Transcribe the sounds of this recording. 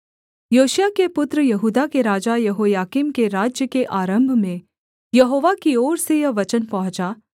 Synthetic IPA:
joːʃjakepʊt̪ɾəjɐɦuːd̪akeɾaːd͡ʒajɐɦoːjaːkiːmkeɾaːd͡ʒjəkeʔaːɾə̃mbʱmẽ | jɐɦoːʋakioːɾsejɐʋɐt͡ʃənpɐɦʊ̃t͡ʃaː

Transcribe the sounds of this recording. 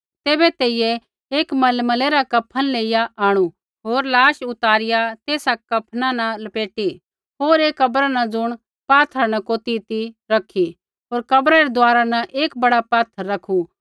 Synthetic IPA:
t̪eːbɛt̪eːɪjɛ | eːkmɐlmɐleɾakɐpʰːənleːɪjaʔaːɽ̃u | ɦoːɾlaːʃʊt̪aːɾɪjat̪eːsakɐpʰnãnɐ̃lɐpeːʈi | ɦoːɾeːkːɐbɾanɐ̃d͡zʊɽ̃ | paːt̪ʰːanɐkoːt̪it̪iɾɐkʰːi | ɦoːɾkɐbɾaɾed̪ʊaːɾanɐʔeːk̚bɐɽapaːt̪ʰːəɾːɐkʰu

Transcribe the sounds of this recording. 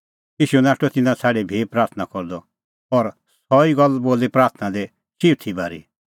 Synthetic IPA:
jiːʃunaːʈot̪ɪnãt͡sʰaːɽebʱipɾaːɾt̪ʰnakɔɾd̪ɔ | ɔɾ | sɔiɡɔlboːlipɾaːɾt̪ʰnãd̪e | ʃiɾt̪ʰibaːɾi

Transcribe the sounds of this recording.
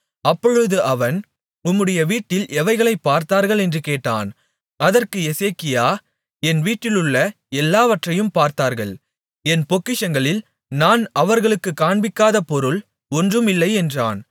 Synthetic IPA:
ɐpːɔɻɯðɯʔɐʋɐn | ʊmːɯɽɐjɐʋiːʈːɪlʔɛʋɐɪɣɐɭɐɪpːaːɾt̪aːɾɣɐɭɛndrɯkeːʈːa̰ːn | ɐðɐrkɯɛseːkɪjaː | ɛnʋiːʈːɪlɯɭːɐ | ɛlːaːʋɐʈrɐjɯmpaːɾt̪aːɾɣɐɭ | ɛnpɔkːɪʂɐŋɡɐɭɪl | naːnɐʋɐɾɣɐɭɯkːɯkːaːɳbɪkːaːðɐpɔɾɯɭ | ɔndrɯmɪlːɐɪɛndra̰ːn

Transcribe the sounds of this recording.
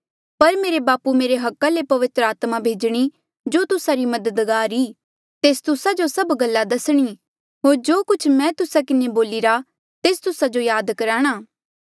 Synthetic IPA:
pɐɾmeːɾebaːpumeːɾeɦɐkːalepɐʋɪt̪ɾəaːt̪mabʱeːd͡ʒɽ̃i | d͡ʒoːt̪ʊsaɾimɐd̪əd̪ɡaːɾiː | t̪eːst̪ʊsad͡ʒosɐbɡɐlːad̪ɐsɽ̃i | ɦoːɾd͡ʒoːkʊt͡ʃʰmɛ̃ːt̪ʊsakɪneboːlɪɾa | t̪eːst̪ʊsad͡ʒojaːd̪kɐɾaːɽ̃aː

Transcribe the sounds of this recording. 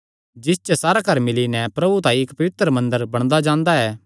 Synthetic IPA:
d͡ʒɪs̬t͡ʃɛsaːɾakɐɾmɪlinɛpɾɐbut̪ãɪkpɐʋɪt̪ɾəmɐ̃nd̪əɾbɐɽ̃d̪ad͡ʒãːnd̪aɛː

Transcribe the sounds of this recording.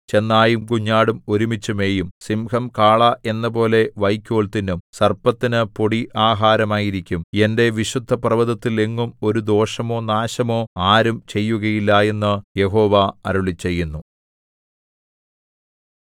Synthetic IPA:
t͡ɕe̞nːaːjumkuɲːaːɽumoɾumit͡ɕːume̞ːjumsimkɐmkaːɭɐʔe̞nːɐp̬o̞ːle̞ʋɐjkʲːoːɭt̪inumsɐrpɐt̪ːinɨpoɽiʔaːɦaːɾɐmaːjiɾikʲːume̞nde̞ʋiɕud̪ʱːɐprɐʋɐðɐt̪ːile̞ŋːumo̞ɾud̪o̞ːʂɐmo̞ːnaːɕɐmo̞ːaːɾumt͡ɕe̞jːuɣɐjilːɐe̞nːɨje̞ɦo̞ːʋaɐɾuɭit͡ɕːe̞jːunːu

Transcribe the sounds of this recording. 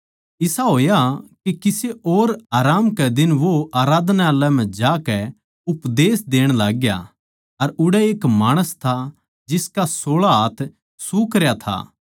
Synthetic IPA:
ɪsaɦoːjakikɪseʔoːɾaːɾaːmkɛd̪ɪnʋoʔaːɾaːd̪naaːlɛm̤ɛ̃d͡ʒaːkɛ | ʊpd̪eːsd̪eːɽ̃laːɡja̰ | ɐɾʊɽɛeːkmaːɽ̃əst̪ʰa | d͡ʒɪskasoːɭaɦaːt̪ʰ | sukɐɾjat̪ʰa̰ː

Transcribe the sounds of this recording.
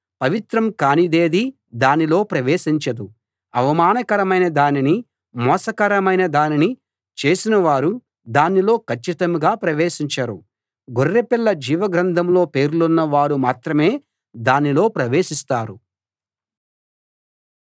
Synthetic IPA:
pɐʋit̪ɾɐmkaːnid̪e̞ːd̪i | d̪aːnilo̞ːpɾɐʋe̞ːʃiɲt͡ʃɐd̪u | ɐʋɐmaːnɐkɐɾɐmɐjnɐd̪aːnini | mɔːsɐkɐɾɐmɐjnɐd̪aːnini | t͡ʃe̞ːsinɐʋaːɾu | d̪aːnːilo̞ːkʰɐt͡ʃːit̪ɐmɡaːpɾɐʋeːʃiɲt͡ʃɐɾu | ɡʱoɾːepilːɐd͡ʒiːʋɐɡɾɐnd̪ʱɐmlo̞ːpe̞ːɾlunːɐʋaːɾumaːt̪ɾɐme̞ː | d̪aːnilo̞ːpɾɐʋe̞ːʃist̪aːɾu

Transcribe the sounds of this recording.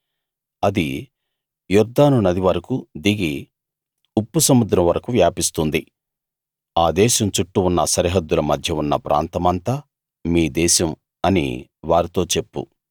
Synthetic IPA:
ɐd̪i | juɾd̪aːnunɐd̪iʋɐɾɐkud̪iɡi | upːusɐmːud̪ɾɐmʋɐɾɐkuʋjaːpist̪und̪i | aːd̪ɛːʃɐmt͡ʃuʈːuunːɐsɐɾiɦɐd̪ːulɐmɐd̪ʱjɐunːɐ̰pɾʔa̰ːnt̪ɐmɐnt̪a | miːd̪ɛːʃɐm | ɐnḭʋaːɾit̪o̞ːt͡ʃe̞pːṵ

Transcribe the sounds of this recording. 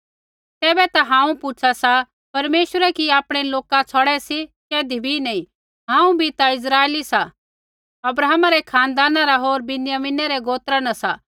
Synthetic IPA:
t̪ɛːbɛt̪aɦãːũpʊt͡ʃʰasa | pɐɾmeːʃəɾɛkiaːpɽ̃eloːkat͡sʰɔɽɛsikɛːd̪ibʱinɐĩ | ɦãːũbʱit̪aɪs̬ɾaːelisa | ɐbɾaːmaɾɛkʰaːnd̪aːnaɾaɦoːɾbɪnjaminɛɾɛɡoːt̪ɾanasa

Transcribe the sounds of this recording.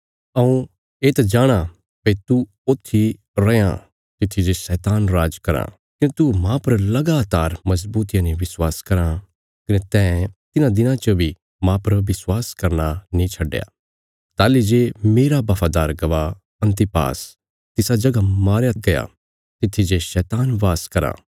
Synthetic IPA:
ɐũ | eːt̪ad͡ʒaːɽ̃a | pɐit̪u | oːt̪ʰːi | ɾɐjã̰ | t̪ɪt̪ʰːid͡ʒesɛːt̪aːnɾaːd͡ʒkɐɾã̰ | kɪnet̪umãpɐɾlɐɡaːt̪aːɾmɐsbuːt̪ɪjãnĩʋɪswaːskɐɾã | kɐnet̪ɛ̃ːt̪ɪnãd̪ɪnãt͡ʃɐbʱi | mãpɐɾʋɪswaːskɐɾnanĩt͡ʃʰɐɖja̰ː | t̪aːlid͡ʒemeːɾabaːfʰaːd̪aːɾɡɐʋa | ɐ̃nt̪̬ɪpa̰ːs | t̪ɪsad͡ʒɐɡamaːɾjaɡɐja̰ | t̪ɪt̪ʰːid͡ʒeʃɛːt̪aːnʋaːskɐɾa̰ː

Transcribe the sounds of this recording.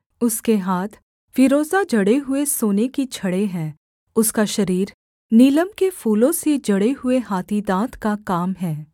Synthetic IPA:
ʊskeɦaːt̪ʰ | fɪɾoːzad͡ʒɐɽeɦʊesoːnekit͡ʃʰɐɽeɦɛ̃ː | ʊskaʃɐɾiːɾ | niːləmkefuːlõsed͡ʒɐɽeɦʊeɦaːt̪ʰid̪ãːt̪ʰkakaːmɦɛː

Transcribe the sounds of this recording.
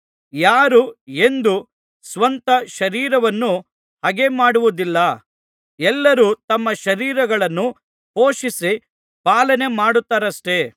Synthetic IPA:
jaːɾue̞nd̪u | sʋɐnt̪ɐʃɐɾiːɾɐʋɐnːu | hɐɡe̞maːɽuʋud̪ilːɐ | ɛlːɐɾuːt̪ɐmːɐʃɐɾiːɾɐɡɐɭɐnːu | po̞ːʃisi | paːlɐne̞maːɽut̪ːaːɾɐsʈe̞

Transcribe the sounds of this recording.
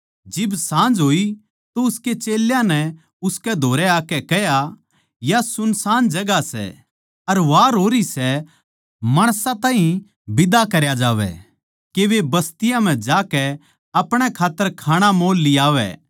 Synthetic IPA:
d͡ʒɪbsãːnd͡ʒɦoːi | t̪oʊsket͡ʃeːljãnɛ | ʊskɛd̪ʱoːɾɛaːkɛkɛɦja | jasʊnsãːnd͡ʒɐɡasɛ̰ | ɐɾʋaːɾɦoːɾisɛ | mɐɽ̃sãt̪ãːɦĩ | bɪd̪akɐɾjad͡ʒaːʋɛ̰ | keʋebɐst̪ɪjãm̤ɛ̃d͡ʒaːkɛ | ɐpɽ̃ɛkʰaːt̪ːəɾkʰaːɽ̃amoːlːɪjaːʋɛ̰

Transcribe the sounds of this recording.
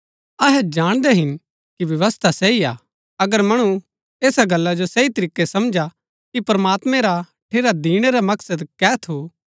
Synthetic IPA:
ɐɦɛd͡ʒaːɽ̃d̪ɛɦɪn | kiʋjɐʋəst̪ʰasɛia̰ː | ɐɡəɾmɐɽ̃u | eːsaɡɐlːad͡ʒosɛit̪ɐɾiːkːesɐmd͡ʒa | kipɐɾɐmaːt̪mɛ̃ɾa | ʈʰeːɾad̪iːɽ̃eɾamɐksəd̪kɛːt̪ʰo

